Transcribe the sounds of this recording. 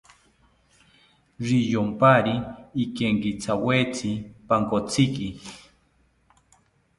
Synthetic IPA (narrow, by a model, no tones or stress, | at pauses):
ɾijompaɾiːkeŋkit͡sʰawet͡sʰipaŋkot͡siki